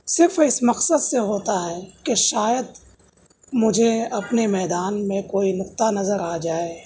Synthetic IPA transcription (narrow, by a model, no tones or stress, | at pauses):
sɪɾfɪsmɐqsəd̪seɦoːt̪aɦɛkeʃaːjəd̪̚ | mʊd͡ʒʱeɐpnemɛːd̪aːnmẽkoːinʊqt̪anɐzəɾaːd͡ʒaːe